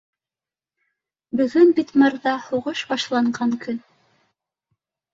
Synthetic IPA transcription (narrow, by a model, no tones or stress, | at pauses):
bɵ̆ɡɵnbit̪mɤɾðɑhuʁɤʃbɑʃlˠɑɴɢɑŋkɵn